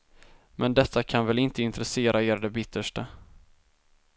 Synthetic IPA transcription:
mʔɛnd̪ɛt̪ʰːakʰanvɛlɪnt̪əɪnt̪ɾɛseːɾʔaeːɾd̪ɛbɪt̪ʰːəʂʈa

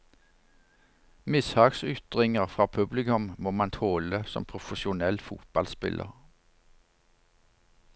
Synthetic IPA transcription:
mɪshɑːɡsʏt̪ʁɪŋəʁfʁɑːpʰʉblɪkʉmmoːmɑnt̪ʰoːləsɔ̰mpʰʁʊfəʃʊnɛlfuːt̪̚bɑlspɪ̰lʔə̰ʁ

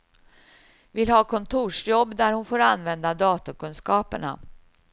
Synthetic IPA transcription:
vɪlhɑːkʰɔnt̪ʰuːʂjɔbːd̪æɾhʊnfoːɾanvɛnd̪ad̪ɑːt̪akɵnskɑːpəɳa̰

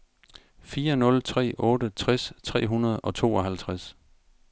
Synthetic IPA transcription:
fiːɐnɔ̽lt͡sʰʁɛ̰ːʔɔ̽ːɾət͡sʰʁast͡sʰʁɛ̰ːɦunɐð̞̩ˠɒ̽t͡sʰo̝̰ːɒɦælt͡sʰʁas

